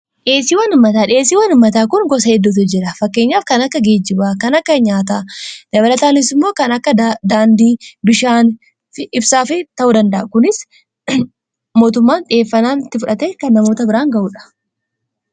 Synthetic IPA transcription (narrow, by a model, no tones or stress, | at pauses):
ᶑe̞ːsiːwɐnʊmːɐt̪aːᶑɪeːsːiːwɐnʊmːɐt̪aːkʊŋɡɔs̬ɐɛd̪ːut̪ɪd͡ʒɪɾɐfɐkːe̞ːɲːaːfkɐnɐkːɐɡe̞ːd͡ʒːɪbaːkɐnɐkːɐɲaːt̪aːd̪̥ɐbɐlɐt̪aːnɪs̬ɪmːoːkɐnɐkːɐd̪aːnd̪iːbɪʃaːn | fɪʔɪbsaːfɪt̪ɐʔuːd̪ɐnd̪ɐʔɐkʊnɪs | mo̞ːt̪̬ʊmːaːnᶑɪeːfːɐnaːnɪt̪ːɪfʊᶑɐt̪eːkɐnːɐmo̞ːt̪ɐbɪɾaːŋɡɐʔuːᶑɐ̥